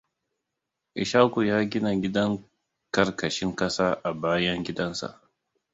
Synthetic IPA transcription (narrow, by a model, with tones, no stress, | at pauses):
ʔɪ˨ʃaː˦ku˨jaː˦ɡʲɪ˦na˨ɡʲɪ˦dɐ˦ŋ | kɐ˨rkɐ˨ʃɪ˦ŋkɐ˦saː˦ʔa˨baː˦jɐ˦ŋɡʲɪ˦dɐ˦nsa̰˨ʔ